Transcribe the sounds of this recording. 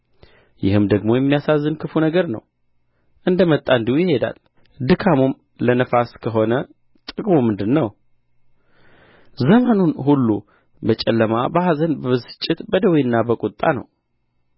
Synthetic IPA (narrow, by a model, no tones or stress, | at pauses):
jɪhɨmd̪əɡmo̞jɛmːijasazːɨnkʰɨfunəɡəɾnə̰w | ʔɨnd̪əmət̪ʼːaɨnd̪ihujɪhe̞d̪a̰l | d̪ɨkʰamum | lənəfaskʰəɦo̞nə | t̪ʼɨkʼmumːɨnd̪ɨnːəw | zəmanunɦulːu | bət͡ʃʼɛlːəmabəhazənbəβɨzɨ̥t͡ʃʼːɪt̪bəd̪əwinːabəkʼut̪ʼːa̰nə̰w